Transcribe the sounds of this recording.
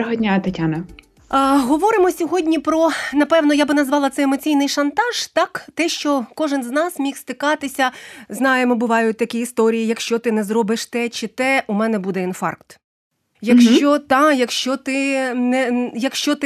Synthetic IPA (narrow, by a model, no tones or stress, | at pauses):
ɦɔdʲnʲat̪ɐtʲanɐ | ɦɔʋɔɾɪmɔsʲɔɦɔdʲnʲipɾɔnɐpɛwnɔjabɪnɐzʋɑlˠɐt̪sɛjemɔt͡sʲijnɪjʃɐnt̪ɑʒ̥t̪ɑkt̪ɛʃt͡ʃɔkɔʒɪnznɑsmʲixst̪ɪkɑt̪ɪsʲɐznɑjemɔbʊʋɑjʊt̚ʲt̪ɐkʲiːst̪ɔɾʲijijɐkʃt͡ʃɔt̪ɪnɛzɾɔbɪʃt̪ɛt͡ʃɪt̪ɛumɛnɛbud̪ɛinfɑ̰rkt̪ | jɐkʃt͡ʃɔt̪ɑjɐkʃt͡ʃɔt̪ɪnɛjɐkʃt͡ʃɔt̪